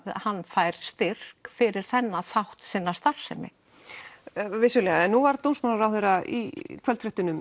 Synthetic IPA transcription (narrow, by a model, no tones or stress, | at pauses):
hanːfaːjɾ̥st̪ɪr̥kfɪɾɪɾ̥θɛnːaθawht̪sɪnːast̪ar̥sɛ̰mɪ̰ | vɪsʏlɛːɣaɛnːuvaɾt̪ownsmanaɾawθejɾaḭkʰvœlt̪fɾɛht̪ɪnʏm